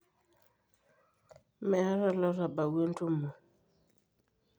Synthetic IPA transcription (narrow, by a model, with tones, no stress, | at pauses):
mɛ˨a˦ɾa˦lɔ˦ɾa˨ba˨we˦n̩˦tu˦mːo˨